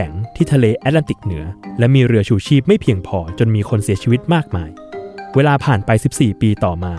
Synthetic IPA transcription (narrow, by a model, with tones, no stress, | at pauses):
ɛ˩˦ŋt̪ʰiː˥˩t̪ʰa˧leː˧ʔɛ˦˥la˧nt̪i˨˩k̚nɯ˩˦ɐlɛ˦˥miː˧ɾɯ˧ɐt͡ɕʰuː˧t͡ɕʰiː˥˩p̚ma˥˩jpʰi˧əŋpʰɔː˧t͡ɕo˧nmiː˧kʰo˧nsi˨˩˦t͡ɕʰiː˧wi˦˥t̪̚maː˥˩k̚ma̰ː˧j | weː˧laː˧pʰaː˨˩npa˧jsi˨˩p̚siː˨˩piː˧t̪ɔː˨˩maː˧